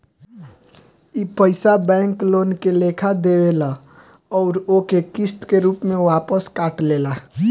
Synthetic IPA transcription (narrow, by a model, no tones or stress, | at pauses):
iːpəɪsabɛ̃ːŋkloːnkelekʰad̪ewela | ɔːɾokekɪst̪keɾuːpmẽʋaːpəskaːʈleːlaː